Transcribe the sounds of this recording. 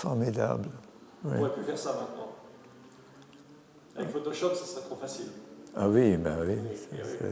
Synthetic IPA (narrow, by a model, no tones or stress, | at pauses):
fɔʁmid̪a̰bl | wḭʁɛpyfɛʁsamɛ̃t̪̚nɑ̰̃ | ɛkfot̪oʃɔpsasʁɛt̪χofasilawibɛwisɛsɛ̰